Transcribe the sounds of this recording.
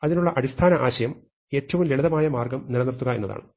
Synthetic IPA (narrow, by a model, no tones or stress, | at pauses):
ɐðinuɭːɐʔɐɽist̪ʰaːnɐʔaːɕɐjɐm | e̞ːtːɐʋumleɭɐðɐmaːjɐmaːrɡɐmniɾɐnirt̪ːuɣɐe̞nːɐða̰ːɳɨ